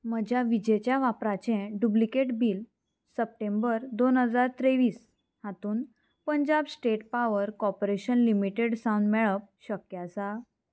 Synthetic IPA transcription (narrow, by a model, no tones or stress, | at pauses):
məd͡ʑʱjaʋid͡ʑet͡ɕjaʋapɾat͡ɕɛ̃ɖublikeʈbiːl | səp̚ʈembəɾd̪onɦəd͡zaɾt̪ɾeʋiːs | hat̪uːn | pəɲd͡ʑabsʈeʈpaʋəɾkɔpoɾeɕənlimiʈeɽsãwnɖmɛɭəp̚ɕəkjat͡sa